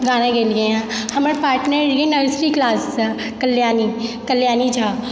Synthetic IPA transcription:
ɡaːnãɡeːlɡejãhɐməɾpaːɾʈnəɾɡenəɾsʈiklaːsa | kɐlːjaːnikɐljaːnid͡ʒʰʱaː

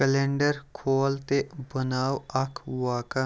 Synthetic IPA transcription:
əlẽːɳɖəɾkʰoːlt̪ebənaːwɐkʰwaːka

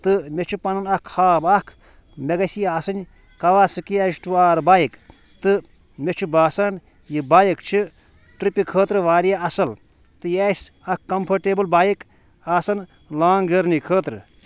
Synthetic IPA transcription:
t̪ɨmet͡ʃʰupɐnɐnɐkʰhaːbɐkʰ | meɡɐsiaːsɨnʲ | kɐʋaːsɨkiɐsʈuaːɾbaːjik | t̪ɨ | met͡ʃʰubaːsɐn | jibaːjikt͡ʃʰi | ʈɾipikʰəːt̪ɾɨʋaːɾijaɐsɐl | t̪ɨjeːsʲɐkkːɐmpʰɐʈeːbɨlbaːjik | aːsɐn | laːŋɡɐɾnikʰəːt̪ɾɨ

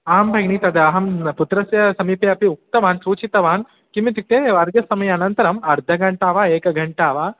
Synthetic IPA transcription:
aːɐmbʱɐɡɳiːt̪ɐd̪ɐɐɦɐmput̪ɾɐsjɐsɐmiːpɐjɐɐpiuk̚t̪ɐʋaːnsuːt͡ʃit̪ɐʋaːn | kimit̪ik̚t̪eːʋɐɾɡɐsɐmɐjɐːnɐnt̪ɐɾɐmɐɾd̪ʱɐɡɐɳʈaːʋaːeːkɐɡʱɐɳʈaːʋaː

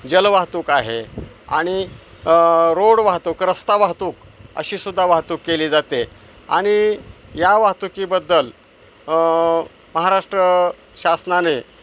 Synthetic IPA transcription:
d͡ʑəlʋaɦt̪uːkaɦe | a̰ɽ̃i | ɾoɽʋaɦt̪uːkɾəst̪aʋaɦt̪uːkə̰ɕiːsud̪ʱːaʋaɦt̪uːkːeliːd͡zat̪e | a̰ɽ̃ijaʋaɦt̪ukiːbəd̪ːəl | məɦaɾaʂʈɾə | ɕasnane

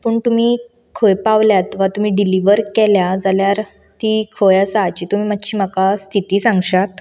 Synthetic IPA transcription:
pəːɳt̪um̤iː | kʰojpaʋljat̪ʋat̪um̤iːɖiliʋəɾkɛljad͡zaljaɾ | t̪ikʰojasaːt͡ɕiːt̪um̤iːmat̪ɕiːmakast̪ʰit̪iːsãŋɡɕat̪

